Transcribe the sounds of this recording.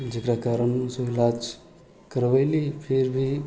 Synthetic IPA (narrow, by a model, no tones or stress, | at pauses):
d͡ʒəkɾakaːɾənsoilad͡ʒ | kəɾʋalipʰeɾbʱi